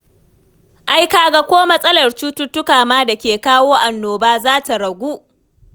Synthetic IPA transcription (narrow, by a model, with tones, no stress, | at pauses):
ʔa˦jkaː˨ɡa˨kʷoː˦mɐ˦sʼɐ˦lɐ˨rt͡ʃuː˦tʊ˦tʊ˦kaː˨maː˦da˨kʲeː˨kaː˦woː˦ʔa˨nːoː˨baː˦zaː˦ta˨ɽɐ˨ɡʷuː˦ʔ